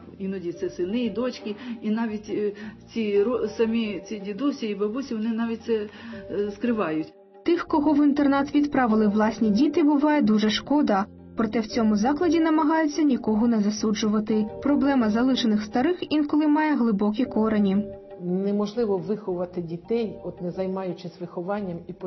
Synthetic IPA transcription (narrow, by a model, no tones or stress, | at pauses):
inɐdʲit̪sɛsɪnɪid̪ɔt͡ʃʲkʲɪinɑʋʲitʲt͡sʲiɾɔsɐmʲit͡sʲidʲid̪usʲiibɐbusʲiʋɔnɪnɑʋʲit̚ʲtsɛ | skɾɪʋɑjʊtʲ | t̪ɪxkɔɦɔʋint̪ernɑt̪ʋʲid̪pɾɑʋɪlˠɪʋlˠɑsʲnʲidʲit̪ɪbʊʋɑjɛd̪uʒɛʃkɔd̪ɐ | pɾɔt̪ɛwt͡sʲɔmʊzɑklˠɐdʲinɐmɐɦɑjʊt͡sʲːɐnʲikɔɦɔnɛzɐsud͡ʒʊʋɐt̪ɪpɾɔblˠɛmɐzɐlˠɪʃenɪxst̪ɐɾɪxinkɔlˠɪmɑjɛɦlˠɪbɔk̬ʲikɔɾenʲi | nɛmɔʒlˠɪʋɔʋɪxɔʋɐt̪ɪdʲit̪ɛjɔt̪nɛzɐjmɑjʊt͡ʃɪsʲʋɪxɔʋɑnʲːɐmip